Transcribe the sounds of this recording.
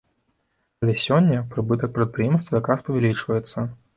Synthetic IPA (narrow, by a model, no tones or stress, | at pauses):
ɐlʲɛsʲɔnʲːɐpɾɨbɨt̪ɐk̚pɾɨt̪̚pɾɨjɛmst̪vɐjakɾaspɐvʲɛlʲit͡ʂvɐjɛt̪sːɐ